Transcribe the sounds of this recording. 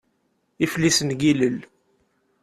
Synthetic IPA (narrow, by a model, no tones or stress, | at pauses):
iflisənɡiləl